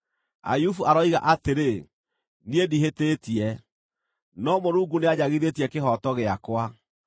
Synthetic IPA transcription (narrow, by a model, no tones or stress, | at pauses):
a̰jufuʔaɾɔiɣa̰ʔateɾe | niediɦetetiɛ | nɔmoɾuːɡuneaɲaɣiðetiɛkeɦɔtɔɣeakwa